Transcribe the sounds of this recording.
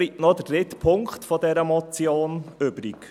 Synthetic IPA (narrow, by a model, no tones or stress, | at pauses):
itnɔdəd̥ɾɪtpʰʊŋkχtfɔdɛɾəmɔt͡sjoːnʏbɾik